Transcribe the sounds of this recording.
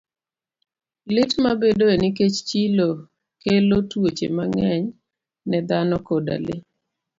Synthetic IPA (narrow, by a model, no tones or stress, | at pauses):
lɪtmabedoenik̬et͡ʃt͡ʃilo | kelotwot͡ʃḛmaŋɛɲ | nɛd̪anɔkoda̰le